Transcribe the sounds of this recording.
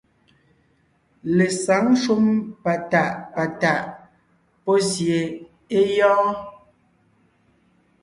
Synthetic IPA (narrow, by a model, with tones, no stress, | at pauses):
le˨sa˨˦ŋ˦ʃu˦mpa˨ta˦˨ʔpa˨ta˨ʔ | pɔ˦sje˨ | e˦jɔ̃ː˦